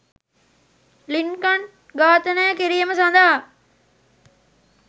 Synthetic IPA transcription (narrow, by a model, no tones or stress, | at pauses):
linkan | ɡaːt̪ənəjakiɾijəməsand̪aɦa